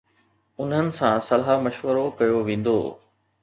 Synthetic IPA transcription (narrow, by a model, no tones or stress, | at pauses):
ʊnɦənɪ̆sãsɐlɦamɐʃʋəɾokɐjoʋẽːn̆d̪o̰ː